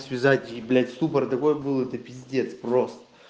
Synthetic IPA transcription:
sʲvʲɪzatʲiblʲæt̪ʲst̪upəɾt̪ɐko̞jəbɨlˠɛt̪əpʲɪzʲdʲet̪sprost̪ə̥

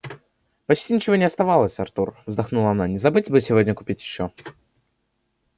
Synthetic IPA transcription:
pɐt͡ɕtʲinʲɪt͡ɕɪvo̞nʲɪɐst̪ɐvalˠəsʲɐrt̪urvzd̪ɐxnulˠɐnanʲɪzɐbɨtʲbɨsʲɪvʲodʲnʲəkʊ̥pʲitʲjɪɕːo

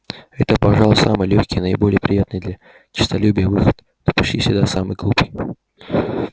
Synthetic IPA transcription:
ɛt̪əpɐʐalˠʊsa̰mɨjlʲoçʲkʲɪjnəɪbo̞lʲɪjəpɾʲɪjat̪nɨjd̪lʲa | t͡ɕɪ̥st̪ɐlʲubʲɪjəvɨxət̪ | nəpɐɕlʲifsʲɪd̪asamɨjɡlˠupɨj

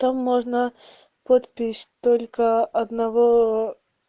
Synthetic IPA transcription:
t̪amːoʐnə | pot̪pʲɪsʲt̪olʲkəɐd̪nɐvo

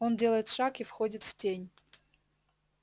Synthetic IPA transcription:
o̞ndʲelˠəjɪt̪ʂakifxodʲɪt̪ftʲenʲ

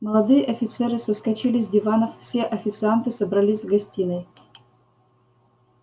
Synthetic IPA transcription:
məlˠɐd̪ɨjəʔɐfʲɪt̪sɛɾɨsəskɐt͡ɕilʲɪzʲdʲɪvanəffsʲeʔɐfʲɪt̪sɨant̪ɨsəbɾɐlʲizʲvɡɐsʲtʲinəj

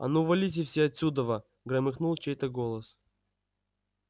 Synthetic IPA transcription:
ɐ̰nuvɐlʲit̬ʲɪfsʲeɐt̪sʲud̪əvə | ɡɾɐmɨxnulˠt͡ɕejt̪əɡolˠəs

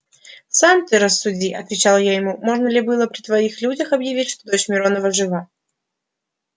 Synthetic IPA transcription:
samt̪ɨɾəsːʊdʲiʔɐt̪vʲɪt͡ɕalˠjajɪmumo̞ʐnəlʲɪbɨlˠəpɾʲɪt̪vɐixlʲudʲəxɐbjɪvʲitʲʂt̪od̪ot͡ɕmʲɪɾonəvəʐɨvˠa

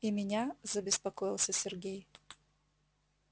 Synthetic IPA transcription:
imʲɪnʲazɐbʲɪspɐkɔjɪlˠsʲɐsʲɪrɡʲej

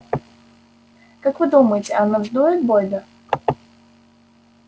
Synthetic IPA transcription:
kakvɨd̪uməjɪtʲɪanɔʐd̪ojɪt̪̚bolʲd̪ə

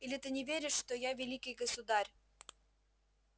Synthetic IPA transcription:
ilʲet̪ɨnʲɪvʲeɾʲɪʃːt̪ojɑvʲelʲikʲijɡəsud̪ɑrʲ

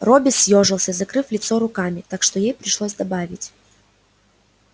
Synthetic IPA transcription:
robʲɪsʲjoʐɨlˠsʲəzɐkɾɨflʲɪt̪so̞ɾʊkamʲɪt̪akʂt̪o̞jejpɾʲɪʂlˠosʲd̪ɐbavʲɪtʲ

